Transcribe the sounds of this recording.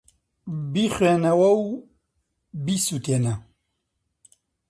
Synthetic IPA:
bixweːnɐwɐw | bisut̪eːnɐ

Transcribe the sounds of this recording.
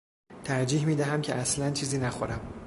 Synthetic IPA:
t̪ʰæɾd͡ʒiːɦmiːd̪æɦæmcʲʰeʔæslænt͡ʃʰiːziːnæxo̰ɾæm

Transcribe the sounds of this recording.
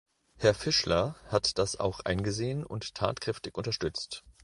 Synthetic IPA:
hɛɐfɪʃlɐhatd̥asa̰ʊxʔa̰ɪnɡəzeːənʊ̰nttʰa̰ːtkʁ̥ɛftɪçʔʊntɐʃtʏt͡st

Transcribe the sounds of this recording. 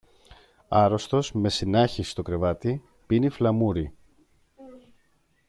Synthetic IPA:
ɐɾo̞st̪o̞zme̞sinɐçisist̪o̞kɾe̞vɐt̪i | piniflɐmuɾi

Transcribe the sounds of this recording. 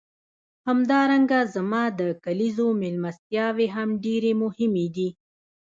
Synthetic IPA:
hamd̪ɑɾaŋɡazamɑd̪əkalizomɪlmast̪jɑweɦamɖeɾemʊhɪmed̪i

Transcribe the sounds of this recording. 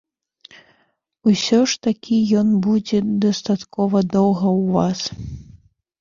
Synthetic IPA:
usʲɔʂt̪akʲijɔnbud͡zʲɛd̪ɐst̪at̪kɔvɐd̪ɔwɣɐwvas

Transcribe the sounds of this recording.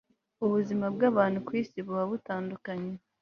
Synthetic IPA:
uβuzimabɡaːβaːn̥hukwiːsiβuβaβutaːndukaɲe

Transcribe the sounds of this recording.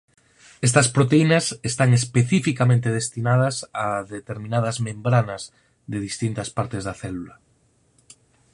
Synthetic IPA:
est̪ɐspɾot̪einɐsest̪aŋespeθifikamẽnt̪eð̞est̪inað̞ɐsaðet̪eɾmĩnaðɐzmẽmbɾanɐz | ðeðist̪int̪ɐspaɾt̪ezðɐθɛlula

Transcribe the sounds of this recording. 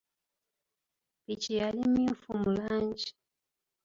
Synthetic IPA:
pit͡ʃijalimiufumuland͡ʒi̥

